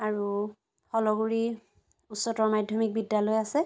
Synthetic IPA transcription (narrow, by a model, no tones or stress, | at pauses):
aɹu | xɔlɔɡuɹi | utsɔtɔɹmadʱjɔmik̚bidːalɔjasɛ